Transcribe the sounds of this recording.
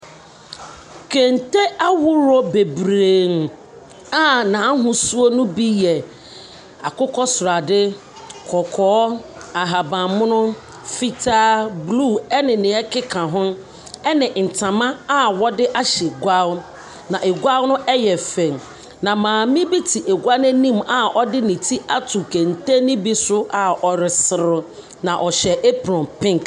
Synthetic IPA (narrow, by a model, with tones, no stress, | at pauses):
kʰẽ˨n˨te˦a˦wʊ˦ɾɔ˦be˨bɾeː˨n | a˦nã˨˦ɦʊ̃˨su˦o˦nʊ̃˦bi˦jɛ˨ | a̰˨kʊ˦kʰɔ˦sʊ˨ɾa˨dɪ˦ | kʰɔ˨kʰɔː˨˦a˨ɦa˨bã˨mʊ̃˦nʊ̃˦ | fi˦tʰaː˦blu˦˨ɛ˦nɪ̃˨nɪ̃˨ɛ˦kʰɪ˦kʰã˨ɦʊ̃˦ | ɛ˦nɪ̃˨n̩˨tʰã˨mã˦a˦wɔ˦dɪ˦ʔa˦ɕɛ˨ɡʷa˦l | nã˨ʔe˨ɡʷa˦lnʊ̃˦ʔɛ˦jɛ˨fɛ̃˨ŋ | nã˨mãː˨mĩ˦bi˦tʰi˨ʔe˨ɡʷa˦nɛ̃˦nĩ˦ma˨ʔɔ˦dɪ˦nĩ˨tʰi˦ʔa˦tʰu˨kʰɛ˨n̩˨te˦nĩ˦bi˦sʊ˦a˨ʔɔ˨ɾɪ˨sɪ˨ɾʊ˨ | nã˨ʔɔ˨ɕɛ˨ʔe˦pɾɔ̃˨mpʰɪ̃˦ŋ˨k